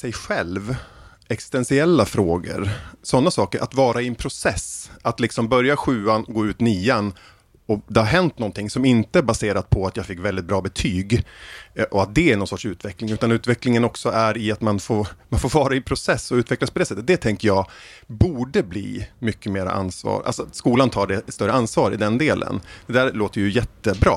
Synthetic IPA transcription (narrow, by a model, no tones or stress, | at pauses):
sɛjɧɛlv | ɛksɪ̥st̪ɛnsɪɛlːafɾoːɡə̰ɾsɔnːasɑːkəɾʔa̰t̪vɑːɾaɪɛnpʰɾʊsɛsʔat̪lɪksɔmbœɾjaɧʉ̟ːanɡoːʉ̟ːt̪nyːan | ɔd̪ɛhaɾɦɛnt̪nɔnt̪ɪŋsɔmɪnt̪əæɾbaseːɾad̪̚pʰɔat̪jɑːɡfɪkːvɛld̪ɪt̪̚bɾɑːbɛt̪ʰyːɡ | ʔɔat̪̚d̪ɛæɳɔnsɔʈʂʉ̟ːt̪vɛklɪŋʉ̟ːt̪anʉ̟ːt̪vɛklɪŋənɔksɔʔæɾɪat̪manfoːɾmanfoːɾvɑːɾaɪpʰɾʊsɛsːɔʉ̟ːt̪vɛklaspɔd̪ɛːsɛt̪ːət̪̚d̪ɛt̪ʰɛŋkəjɑːɡbuːɖəblḭːmʏkːəmeːɾa̰ʔa̰nsvɑ̰ːɾʔa̰lsɔat̪skuːlant̪ʰɑːɖɛst̪œɾːəansvɑːɾɪ̰d̪ɛnd̪eːlʔə̰nd̪ɛd̪æːɾloːt̪əɛjɵjɛt̪ːəbɾɑ̰ː